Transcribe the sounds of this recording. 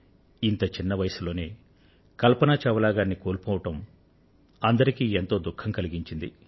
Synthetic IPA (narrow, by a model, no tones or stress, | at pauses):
int̪ɐt͡ʃinːɐʋɐjɐsulo̞ːne̞ː | kɐlpɐnaːt͡ʃɐʋɐlaːɡaːnːikoːɾpoːʋɐʈɐm | ɐnd̪ɐɾikiːent̪o̞ːd̪ukʰːɐmkɐliɡiɲt͡ʃind̪i